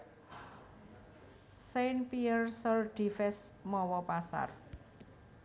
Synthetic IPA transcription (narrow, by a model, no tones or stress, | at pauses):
senpiərsərɖ̥i̤fɛsmɔwɔpasa̰r